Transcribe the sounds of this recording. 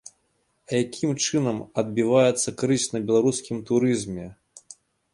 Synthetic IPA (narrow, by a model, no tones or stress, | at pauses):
jakʲimt͡ʂɨnɐmɐd̪̚bʲivajɛt̪sːɐkɾɨsʲnɐbʲɛlˠaɾuskʲimt̪uɾɨzmʲɛ